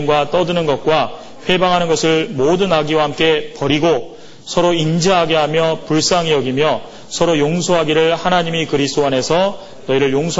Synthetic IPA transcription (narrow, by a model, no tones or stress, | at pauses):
mɡwat͈ʌdɯnɯnɡʌt̚k͈wa | ɸwe̞baŋɦanɯnɡʌsʰɯɭmodɯnaɡiwahamk͈e̞pʌɾiɡo | sʰʌɾoind͡ʑiɦaɡeɦamjʌpuɭs͈aŋijʌɡimjʌ | sʰʌɾojoŋsʰoɦaɡiɾɯɭhanaɲimikɯɾisʰt͈oane̞sʰʌ | nʌiɾɯɭjoŋsʰo